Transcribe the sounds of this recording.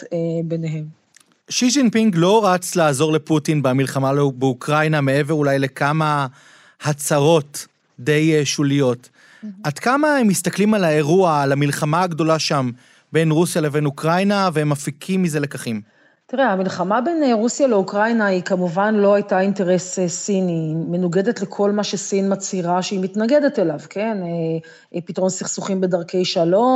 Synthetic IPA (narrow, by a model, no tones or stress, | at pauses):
beneɦem | ʃid͡ʒinpiŋɡlo̞ʁat͡slaːzo̞ʁleputinbamilχamalbeukʁajnamee̞veʁulajle̞kama | hat͡saʁo̞t | de̞jʃulijo̞t | adkamahemistaklimalae̞ʁuaːlamilχamaːɡdo̞laʃam | be̞nʁusjale̞venukʁajnaveemːafikʰimːizelekaχim | tiʁeamilχamabe̞neʁusjale̞ukʁajnaikamuvanlo̞ajtainteʁe̞ssinimenuɡe̞detle̞kʰo̞lmaʃesinmat͡siʁaʃeimitnaɡe̞detelavke̞ne | pitʁo̞nsiχsuχimbe̞dɐʁke̞jʃalo̞